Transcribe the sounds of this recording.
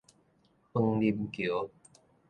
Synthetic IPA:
xə˧ŋli˧mki˨o˦

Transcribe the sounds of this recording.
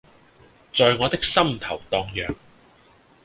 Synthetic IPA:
t͡sɔː˧jŋɔː˨˧t̪ɪ˥k̚sɐ˥mt̪ʰɐ˨˩wt̪ɔː˧ŋjœː˨ŋ

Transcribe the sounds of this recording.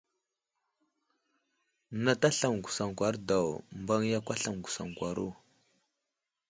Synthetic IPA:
na˦ta˦ɬa˨mɡu˨sa˨ŋkʷa˨ɾda˨wmba˦ŋja˦kʷa˦ɬa˨mɡu˨sa̰˨ŋkʷa˨ɾu˦˨

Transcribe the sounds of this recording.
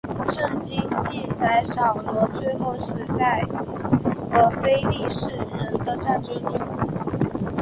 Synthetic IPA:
ʂɤ˥˩ŋt͡ɕi˥nt͡ɕi˥˧nt͡sa˥˩ɪʂɑ˨˩ʊlwɔ˧˥t͡swe˥˧ɪxo˥˩ʊʂɻ̩˧˥t͡sa˥˩ɪ | ə˧˥fe˥ɪli˥˧ʂɻ̩˥˩ɻə˧˥nd̪ə˧ʈ͡ʂa˥˩nʈ͡ʂə˥ŋʈ͡ʂʊ˥ŋ

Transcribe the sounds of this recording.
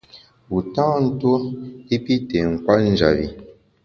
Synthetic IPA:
u˨tãː˦˨n̩˦two˦i˦pi˦te˨ŋ̩˨kwa˦n̩˦d͡ʒa̰˨βḭ˨

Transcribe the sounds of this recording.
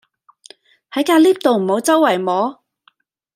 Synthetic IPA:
hɐ˨˥jkaː˧liː˥p̚t̪o˨wm̩˨˩ho˨˥wt͡sɐ˥wːɐ˨˩jmɔː˨˥

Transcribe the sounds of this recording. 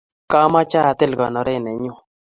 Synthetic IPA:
ka˦ma˦t͡ʃa˦˨t̪ɪ˦lɡɔ˨nɔ˨ɾɛ˦˨nɛ˨ɲʊ˦˨

